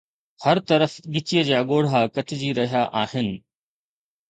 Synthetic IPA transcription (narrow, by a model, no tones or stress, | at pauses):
hɐɾt̪ɐɾəfɠɪt͡ɕijəd͡ʑaːɠoːɽ̤akɐʈʰɪd͡ʑiːɾɐɦijaʔaːɦɪnɪ̆